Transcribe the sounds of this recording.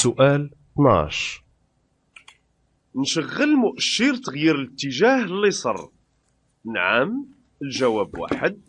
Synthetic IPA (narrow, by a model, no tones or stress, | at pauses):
sʊʔæl | t̪nʕa̰ʃ | nʃəɣːəlmʊʔəʃːəɾt̪əɣjiɾələt̪ːəʒæhəlːisˤə̰rˤ | nʕam | əlʒæwæbwa̰ħəd̪̚